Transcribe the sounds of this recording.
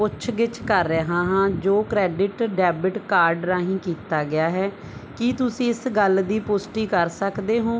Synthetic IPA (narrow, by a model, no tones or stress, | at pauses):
pʊtːt͡ʃʰʋɪt͡ʃkəɾːəɦãːɦãːd͡ʒoːkɾɛːɖɪʈɖɛːbɪʈkaːɾɖɾaːɦĩːkiːt̪aːɡɪjaːɦɛː | kɪt̪ʊsĩːɪsɡəld̪iːpʊsʈiːkəɾsəkd̪eːɦõː